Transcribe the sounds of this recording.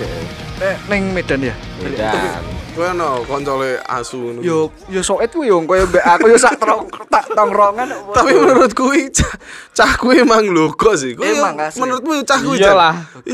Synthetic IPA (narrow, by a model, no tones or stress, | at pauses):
nɛnɪŋmed̥anja | a̰aikueɔnɔkɔɲt͡ʃɔlea̰sunjo | josoɪt̪̚kuijoŋkɔjɔmbeʔakujosaʔt̪ɾɔŋt̪aʔt̪ɔŋrɔŋant̪apimənuɾʊt̪̚kuwit͡ʃat͡ʃahkuimaŋloɡ̥ɔʔs̬ɪhkujaŋmənuɾʊt̪̚kuiut͡ʃahkkuwialah